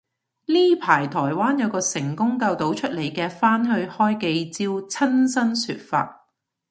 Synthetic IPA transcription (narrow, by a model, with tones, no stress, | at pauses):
liː˥pʰaː˨˩jt̪ʰɔː˨˩jwaː˥njɐ˨˧wkɔː˧sɪ˨˩ŋkʊ˥ŋkɐ˧wt̪o˨˥wt͡ʃʰɵ˥t̚le˨˩jkɛː˧faː˥nɦɵ˧ɥhɔː˥jke˧jt͡siː˥wt͡sʰɐ˥nsɐ˥nsy̰ː˧t̚fa̰ː˧t̚